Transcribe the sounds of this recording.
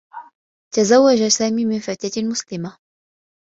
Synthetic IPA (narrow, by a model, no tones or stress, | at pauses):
t̪azawːad͡ʒasaːmiːmɪnfat̪amʊslɪma